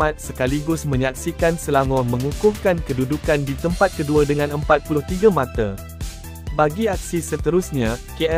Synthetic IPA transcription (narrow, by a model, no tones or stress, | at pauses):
at̪̚səkaliɡʊsmə̃ɲak̚sikansəlaŋɔmə̃ŋukʊŋkankədudukandit̪əmpat̪̚kəduadəŋãnəmpat̪̚pulʊht̪iɡamat̪a | baɡiak̚sisət̪əɾusɲãkeɛ